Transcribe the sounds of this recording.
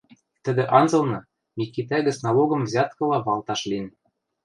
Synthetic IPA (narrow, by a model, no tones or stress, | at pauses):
t̪ɘ̆d̪ɘ̆ʔɑnzɤ̆lˠnɤ̆ | mʲikːit̪æɡɘ̆snɑloɣɤ̆mvzʲɑt̪̚kɤ̆lˠɑβɑlˠt̪ɑʃlʲin